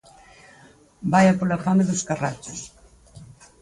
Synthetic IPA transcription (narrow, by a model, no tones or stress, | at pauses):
bajapolafameðuskara̰t͡ʃʊs